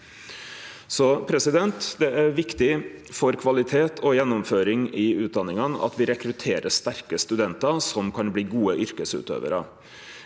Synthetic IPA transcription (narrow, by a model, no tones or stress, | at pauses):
sɔpʰɾɛsɪd̪ɛnt̪d̪ɛæɾʋɪkt̪ɪfɔɾkʰʋɑlɪt̪ʰeːt̪ʰɔjɛnːɔmføːɾɪŋɪʉːt̪̚d̪ɑnːɪŋənɑ̰t̪ʋɪɾɛkɾʉt̪ʰeːɾəʂt̪æɾkəst̪ʉd̪ɛnt̪ɑsɔmkʰɑnbliːɡuːəʔʏɾkəsʉ̰ːt̪ø̰ːʋə̰ɾɑ